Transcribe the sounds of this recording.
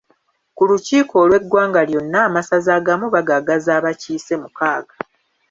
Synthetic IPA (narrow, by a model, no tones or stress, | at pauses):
kuluciːkʰo̞ːlwe̞ɡwaːŋɡaljo̞nːaːmasazaːɡamuβaɡaɡazaːβaciːse̞mukaːɡa